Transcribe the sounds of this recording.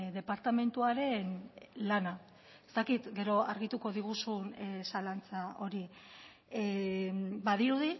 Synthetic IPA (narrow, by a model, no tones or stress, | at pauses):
ðe̞paɾt̪ame̞nt̪uaɾe̞nlana | e̞st̪akit̪ɡe̞ɾo̞aɾɣit̪uko̞ðiɣusunsalant͡sao̞ɾi | baðiɾuði